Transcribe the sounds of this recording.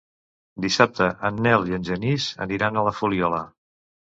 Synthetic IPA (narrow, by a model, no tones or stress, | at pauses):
d̪isap̚t̪əʔənːɛliənʲʒənizə̰niɾanələfuliɔlə